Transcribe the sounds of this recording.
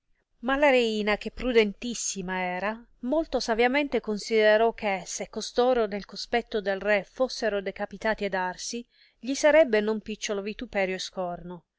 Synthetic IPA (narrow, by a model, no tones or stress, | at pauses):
malaɾeiːnak̟epːɾud̪ent̪isːimaɛːɾa | molt̪osavjament̪ekonsid̪eɾɔk̟ʰːesekːost̪oːɾonelkospɛt̪ːod̪elrɛfosːeɾod̪ekapit̪aːt̪iad̪arsi | ʎisaɾɛbːenompit͡ʃːolovit̪upɛːɾjoeskɔrno